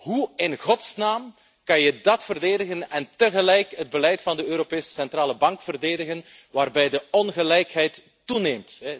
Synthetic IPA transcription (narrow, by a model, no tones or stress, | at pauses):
huɪnɣɔtsnaːm | kɑnjədɑtfərdeːdəɣənɛntəɣəlɛjkɦəd̚bəlɛjtfɑndəøːɾopeːsə̥sɛntraːləbɑŋkfərdeːdəɣən | ʋaːrbɛjdəɔnɣəlɛjkɦɛjtː | uneːmtɦɛ